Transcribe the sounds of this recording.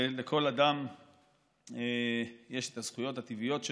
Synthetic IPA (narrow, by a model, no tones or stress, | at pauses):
lekʰo̞lad̪am | eje̞ʃet̪az̥χujo̞t̪hat̪ivijo̞t̪ʃ